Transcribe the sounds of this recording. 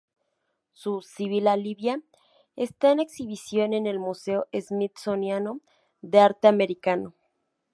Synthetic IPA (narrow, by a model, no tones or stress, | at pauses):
susiβilaliβja | est̪aene̞ksiβ̞isjo̞ne̞ne̞lmuse̞oʔezmit̪so̞njano | ðe̞aɾt̪eame̞ɾikano̞